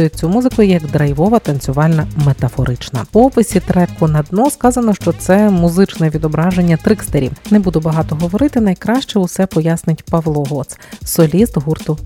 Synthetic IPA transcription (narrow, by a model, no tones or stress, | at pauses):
jʊt͡sʲumuzɨkʊjʊjɐɡd̪ɾɐjʋɔʋɐt̪ɐnt͡sʲʊʋɑlʲnɐmet̪ɐfɔɾɪt͡ʃnɐ̰pɔpɪsʲit̪ɾɛkʊnɐd̪nɔskɑzɐnɔʃt͡ʃɔt̪sɛmʊzɪt͡ʃnɛʋʲid̪ɔbɾɑʒenʲːɐt̪ɾɪkst̪eɾʲḭwnɛbud̪ʊbɐɦɑt̪ɔɦɔʋɔɾɪt̪ɪnɐjkɾɑʃt͡ʃɛʊsɛpɔjasnɪtʲpɐʋlˠɔɦɔt̪ssɔlʲist̪ɦurt̪ʊ